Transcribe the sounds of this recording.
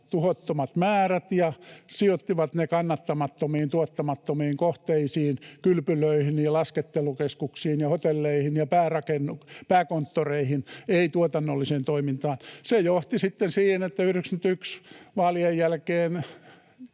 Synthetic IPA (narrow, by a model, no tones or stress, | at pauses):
t̪uhot̪ːomɑt̪mæːræt̪jɑsiot̪ːiʋɑt̪nekɑnːɑt̪ːɑmɑt̪ːomiːnt̪uɑt̪ːɑmɑt̪ːomiːŋkoht̪eisiːnkylpyløihinilɑsket̪ːelukeskuksiːnjɑhot̪elːeihinjɑpæːrɑkenːupæːkont̪ːoreihineit̪uot̪ɑnːolːiseːnt̪oimint̪ɑːnsejoht̪isit̪ːensiːhenet̪ːæyriksnyt̪yksʋɑːliejjælkeːn